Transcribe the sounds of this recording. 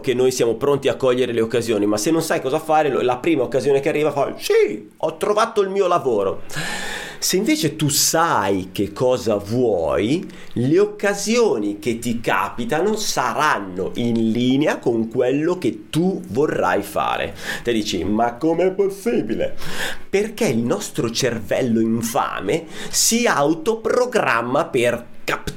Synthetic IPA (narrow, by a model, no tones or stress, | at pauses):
k̟enːoːjsjaːmopɾont̪iakːɔʎːeɾeleokːazjoːnimasenːonsajkɔːzafaːɾelapɾiːmaokːazjoːnekearːiːvafasi | ɔt̪ːɾovaːt̪oilmiːolavoːɾo̰ | seiɱveːt͡ʃet̪usajkekʰːɔːzavwɔ̰ːj | leokːazjoːniket̪ːika̰ːpit̪anosaɾanːo̰ʔinliːneakoŋkwelːok̟et̪ːuvorːa̰jfa̰ːɾḛt̪id̪iːt͡ʃḭmakːomeɛpːosːiːbilḛperkeilnɔst̪ɾot͡ʃervɛ̰lːoiɱfa̰ːmesiaawt̪opɾoɡɾa̰mːaper | kap